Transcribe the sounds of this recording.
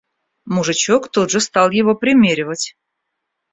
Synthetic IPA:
muʐɨt͡ɕokt̪od̪ʐəst̪ɑlˠjɪvopɾʲɪmʲeɾʲɪvətʲ

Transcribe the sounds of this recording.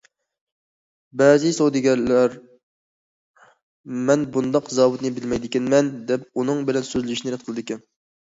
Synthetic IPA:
bɛːzɨsowd̪ɨɡʲɛɾlæɾ | mɛnbund̪ɑqzɑːwut̪nɨbɪlmɛjd̪ɪkʲɛnmɛnd̪ɛpunɨŋbɪlɛnsøzlyʃinɪɾɛt̪̚qʰəlˠɨd̪ɪkʲɛn

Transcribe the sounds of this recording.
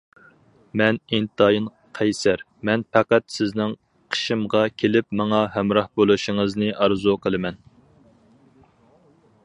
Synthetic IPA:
mɛnint̪ɑːjin | qʰɛjsæɾ | mɛnpʰɑqæt̪sɪznɪŋ | qʰə̥ʃɨmʁɑkʲʰelɪpmɑŋɑɦɛmɾɑhbolˠuʃɪŋəznɨʔɑɾzuqʰəlˠɨmɛn

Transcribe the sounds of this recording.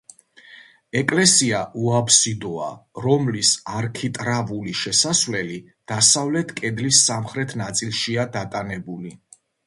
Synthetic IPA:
ɛkʼlɛsiaʔuapʰsid̪ɔa̰ɾɔmlisaɾkʰit̪ʼɾavuliʃɛsasvlɛli | d̪̥asavlɛt̪ʰkʼɛd̪lisːamχɾɛt̪ʰnat̪sʼilˠʃiad̪at̪ʼanɛbuli

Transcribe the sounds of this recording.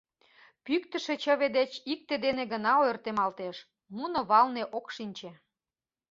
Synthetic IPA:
pykt̪əʃĕt͡ɕə̆βed̪et͡ɕik̚t̪ed̪eneɡənɑojərt̪emɑlt̪eʃ | munŏβɑlneʔokʃinʲt͡ɕe

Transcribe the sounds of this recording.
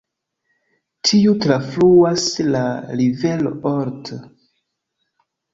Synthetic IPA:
tʰiutɾafluaslalive̞lo̰ʔoɾt

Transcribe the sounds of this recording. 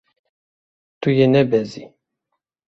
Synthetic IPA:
t̪ujenɛbɛzi

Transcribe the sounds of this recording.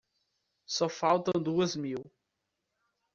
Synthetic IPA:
sɔfawt̪ɐ̃w̃d̪uɐzmiw

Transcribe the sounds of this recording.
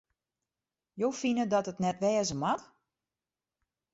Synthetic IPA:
jowfinədɔtətnɛtʋɛːzəmat

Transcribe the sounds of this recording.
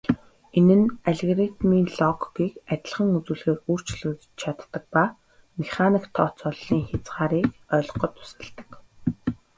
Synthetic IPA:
enɘ̆naɮĕɣrit̪miːɮɔkɡiːkæt̪ʲɪ̆ɮχə̆ŋut͡suːɮxeːruːr̥t͡ɕɮɘ̆tt͡ɕt͡ɕʰat̪ːə̆k̚pa | meχanikt̪ʰːɔt͡sɔɮːiːŋxat͡sʁaːɾiːkœːɮ̆qɞ̆t̪ʊ̥sə̆ɮt̪ə̥̆k

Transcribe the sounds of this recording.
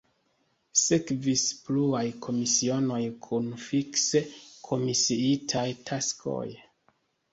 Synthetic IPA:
sekvispluajkʰo̞misio̞no̞jkʰunfiksekʰo̞misiitʰajtʰaskʰo̰j

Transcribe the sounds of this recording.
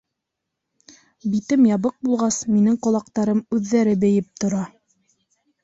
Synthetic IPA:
bit̪ɘmjɑβɤq̚bulˠʁɑsminɘŋqŏlˠɑq̚t̪ɑɾɤmʉðːæɾɘbɘ̆jɘp̚t̪ŏɾɑ

